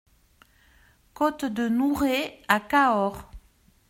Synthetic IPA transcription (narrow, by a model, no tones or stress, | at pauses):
kɔt̪d̪ənuʁeakaɔʁ